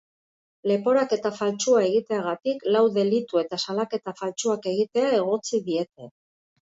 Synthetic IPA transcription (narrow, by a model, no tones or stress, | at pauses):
le̞po̞ɾake̞t̪afalt͡ʃuae̞ɣ̞it̪e̞aɣat̪iklawðe̞lit̪ue̞t̪asalake̞t̪afalt͡suake̞ɣ̞it̪e̞ae̞ɣ̞o̞t͡siðie̞t̪e̞